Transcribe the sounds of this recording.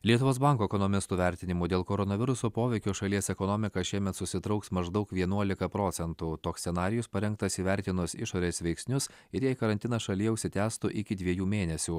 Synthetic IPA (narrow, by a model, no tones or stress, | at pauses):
lʲiɛt̪ʊʋoːsbɑˑŋkoːɛkɔnɔmʲɪst̪uːʋʲæɾʲt̪ʲɪnʲɪmuːd̪ʲeːlˠkoːɾɔnɐʋʲɪɾʊsoːpoːʋʲɛɪkʲoːʃɐlʲiɛsɛkɔnɔmʲɪkɐʃʲiɛmʲɛt̪sʊsʲɪt̪ɾɐʊksmɐʒd̪ɐʊkʋʲiɛnuɔlʲɪkɐpɾɔːt̪sʲɛnt̪uːt̪oːksʲɛnɑːɾʲɪjʊspɐɾʲɛŋkt̪ɐsiːʋʲæɾʲt̪ʲɪnʊsɪ̰ʃoːɾʲeːsʋʲɛɪksʲnʲʊs | ɪɾjæɪkɐɾɐnʲt̪ʲɪnɐsʃɐlʲiːɛʊʃʲsʲɪt̪ʲæːst̪ʊʔɪkʲɪd̪ʲʋʲiɛjuːmʲeːnʲɛsʲuː